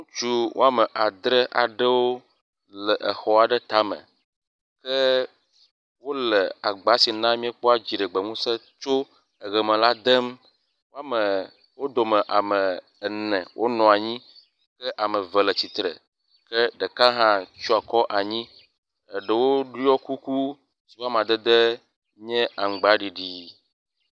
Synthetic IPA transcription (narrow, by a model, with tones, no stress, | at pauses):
ŋũ˦t͡ʃu˦wʔo̰˦a˦mə˨ʔa˨d̪ɾə˦ʔa̰˨ɖə˦wo˦ | lə˨ʔə˨xɔ˦a˨ɖə˦t̪a˦mə̰̃˨ | kə˦ | wo˦lə˨a˨ɡ͡ba˦si˨nã˦mĩ˦e˦k͡pɔ˦a˦d͡ʑi˨ɖə˨ɡ͡bə˨ŋũ˦sə˦ | t͡ʃo˦ | ə˨ɣə˨mə̃˨la˦d̪ə˦m | wo˦a˦mə˨ | wo˦d̪o˨mɛ̃˨ʔa˨mɛ˨ | nɛ̃˨wʔo˦nɔ̃˨a˨ɲĩ˦ | kɛ˦ʔa˨mə̃˨və˨lə˨t͡ɕi˨t̪ɾə̰˨ | kɛ˦ɖə˨ka˦ɦã˦t͡ʃu˦a˨kɔ˦ʔa˨ɲĩ˦ | ɛ˨ɖə˨wo˦ɖi˦ɔ˦ku˦ku˦ | si˨wa˦m˨ã˨d̪ɛ˦d̪ɛ˦ | ɲɛ̃˦ʔa˨ŋ˨ɡ͡ba˦ɖi˨ɖi˨